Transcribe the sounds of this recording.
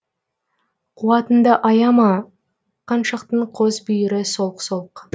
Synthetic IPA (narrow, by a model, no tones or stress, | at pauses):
qʰuwɑt̪ənd̪ɑʔɑjɑmɑ | qʰɑnʃɑqt̪əɴqʰozbʏjɪɾɪso̞lˠqso̞lˠq